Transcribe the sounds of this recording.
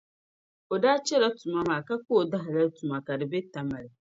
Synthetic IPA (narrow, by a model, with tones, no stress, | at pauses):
o˨daː˦t͡ʃɛ˦la˦tu˨ma˦maː˨ka˦ko˦˨da˦ɦɪ˨la˦tu˨ma˨ka˨dɪ˨bɛ˦ta˨ma˨ɾɪ˨